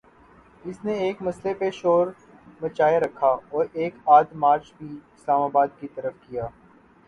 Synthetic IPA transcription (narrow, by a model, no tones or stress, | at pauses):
ɪsneeːkmɐslepeʃoːɾ | mɐt͡ʃaːeɾɐkʰːaɔːɾeːkaːd̪maːɾt͡ʃbʱiɪslaːmaːbaːd̪kit̪ɐɾəfkijaː